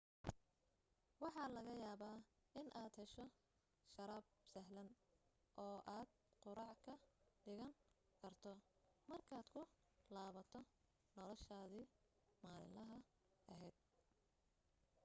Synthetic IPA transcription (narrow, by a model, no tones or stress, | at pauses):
wɑħɑːlɐɣɐjaːβaːʔɪnʔaːd̪hɛʃɔ | ʃɐɾaːbsɐɦlɐnʔɔːʔaːd̪ | qʊɾɑʕkʰɐɖɪɣɐn | kʰɐrt̪ʰɔmɐrkʰaːd̪kʰʊ | laːβɐt̪ʰɔ | nɔlɔʃaːði | maːlɪ̰nlɐɦɐ | ɐɦɛjd̪̥̚